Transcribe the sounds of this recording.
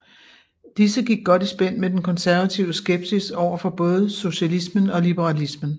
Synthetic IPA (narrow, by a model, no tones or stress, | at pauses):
d̥isəɡ̥iɡ̥̚ːɒ̽d̥isb̥en̰med̥enkʰɒ̽nsæɐʋæt͡sʰiʊəsɡ̥eb̥sisɒʊ̰ɐfɒ̽b̥ɔ̽ːð̞ˠəso̝ɕælismənɒ̽lib̥əʁɑlismən̩